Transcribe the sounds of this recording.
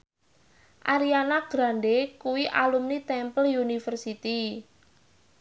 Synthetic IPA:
ʔaɾianaɡ̥ɾanɖekuwiʔalumnit̪ɛmpəljunifərsit̪i

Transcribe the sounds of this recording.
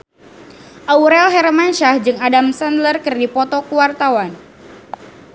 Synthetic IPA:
ʔauɾɛlɦɛɾmanʃahd͡ʒɨŋadamsandlərkɨrdipɔt̪ɔkuwart̪awan

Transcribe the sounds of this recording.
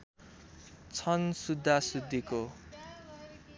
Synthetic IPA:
t͡sʰʌnsud̪ʱːasud̪ʱːiko

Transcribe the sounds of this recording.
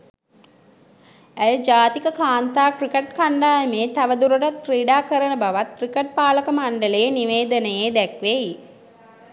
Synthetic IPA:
æjəd͡ʒaːt̪ikəkaːnt̪aːkrikeʈkaɳɖaːjəmeːt̪aʋəd̪uɾoʈat̪kriːɖaːkəɾənəbaʋat̪̚krikeʈ̚paːləkəmaɳɖəlejniʋeːd̪ənəjeːd̪ɛkʋeji

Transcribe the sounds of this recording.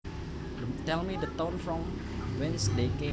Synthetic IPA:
dtɛlˠmidət̪õnfɹɔ̃m | wɛ̃nsdekẽ

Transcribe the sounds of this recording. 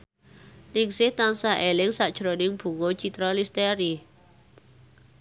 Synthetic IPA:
nɪŋsɪht̪ansaʔelɪŋsaʔd̥ʒ̥ɾonɪŋb̥ṳŋo̥t͡ʃit̪ɾɔlist̪eɾi

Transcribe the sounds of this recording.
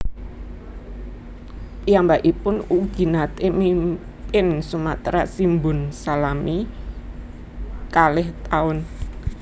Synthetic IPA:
pijambaʔipʊnuɡ̥i̤nat̪emim | pɪnsumat̪ɾasimbʊ̤nsalami | kalɪht̪aʊn

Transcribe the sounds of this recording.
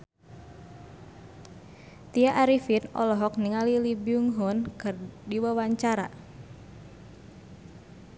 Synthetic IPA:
t̪iaʔaɾifinɔ̰lɔɦɔk̚niŋalilibiuŋɦɔnkɨrdiwawaɲt͡ʃaɾa̰

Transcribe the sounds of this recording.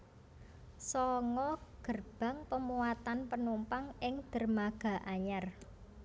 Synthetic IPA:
sɔŋɔɡ̥ə̤rb̥ä̤ŋpəmuwat̪anpənumpaŋɪŋd̪̥ə̤rmaɡ̥a̤ʔaɲar

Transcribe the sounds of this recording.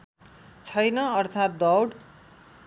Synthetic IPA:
t͡sʰʌjnʌʌrt̪ʰat̪̚d̪ʌwɽ

